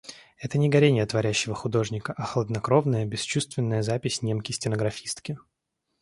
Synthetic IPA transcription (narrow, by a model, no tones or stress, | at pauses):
ɛt̪ənʲɪɡɐɾʲenʲɪjət̪vɐɾʲæɕːɪvəxʊd̪o̞ʐnʲɪkəʔɐxəlˠəd̪nɐkɾo̞vnəjəbʲɪst͡ɕust̪vʲɪnːəjəzapʲɪsʲnʲemkʲɪsʲtʲɪnəɡɾɐfʲist̪kʲɪ